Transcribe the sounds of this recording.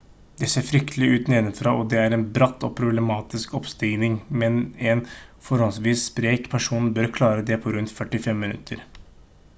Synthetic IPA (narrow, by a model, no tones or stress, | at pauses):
d̪ɛseːɾfɾʏkt̪ʰəlɪʉːt̪neːnənfɾɑːʔɔd̪ɛæɾɛnbɾɑt̪ːɔpʰɾʊblɛmɑːt̪ɪskɔpst̪ɪɡnɪŋmɛnɛnfɔɾhɔlsʋiːsːpɾeːkpʰæʂuːnn̩bœɾkʰlɑːɾəd̪ɛpʰɔɾʉnt̪fœʈːɪfɛmːɪnʉ̰t̪ʰːəɾ